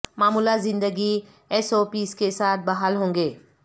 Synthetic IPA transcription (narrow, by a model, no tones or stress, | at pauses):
maːmuːlazɪ̃nd̪əɡi | ɛsoːpiːskesaːt̪̚ʰbaɦaːlɦõːŋɡeː